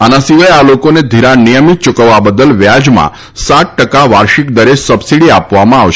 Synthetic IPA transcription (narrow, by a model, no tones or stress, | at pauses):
anasiʋajalokoned̪ʱiɾanijəmit̪̚t͡ʃukəʋːabəd̪əlʋjad͡ʒmã̰ | saʈ̪̚ʈəkaʋaɾʃikd̪əɾesəbsiɽiapʋamãaʋʃ